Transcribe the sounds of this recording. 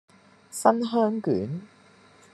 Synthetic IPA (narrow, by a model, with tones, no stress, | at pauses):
sɐ˥nɦœː˥ŋkyː˨˥n